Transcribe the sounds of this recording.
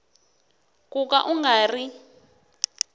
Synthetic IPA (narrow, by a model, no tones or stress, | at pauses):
kʼuk̬ʼa̰ʔuŋɡʱaːri